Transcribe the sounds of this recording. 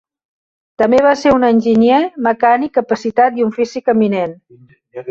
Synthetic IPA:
t̪əmbeβ̞aseɾunənʲʒinjeməkanikːəpəsit̪at̪iuɱfisikəminen

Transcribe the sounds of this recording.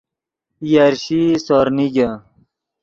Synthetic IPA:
jaɾɕisoɾniɡa

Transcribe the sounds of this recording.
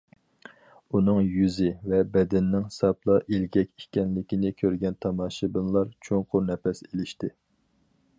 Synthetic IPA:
unɨŋjyzɪvɛbɛd̪ɛnːɪŋsɑplˠɑʔelɡʲɛkʲi̥kʲɛnlɪkʲinɪkʲʰøɾɡʲɛnt̪ʰɑmɑːʃɨbɨnlˠɑɾt͡ʃʰoŋqʰʊɾnɛpɛselɪʃt̪ɪ

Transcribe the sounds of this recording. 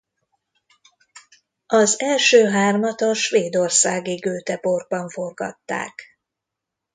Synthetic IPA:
ɒzɛlʃøːɦaːrmɒt̪ɒʃʋeːd̪o̞rsaːɡiɡøːt̪ɛporɡ̚bɒɱfo̞rɡɒ̰t̪ːa̰ːk

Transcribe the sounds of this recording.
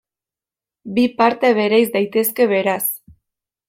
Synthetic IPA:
bipaɾt̪e̞β̞e̞ɾajzd̪ajt̪e̞ske̞βe̞ɾas

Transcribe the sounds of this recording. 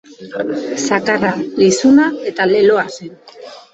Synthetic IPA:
sakaralisunae̞t̪ale̞lo̞asen

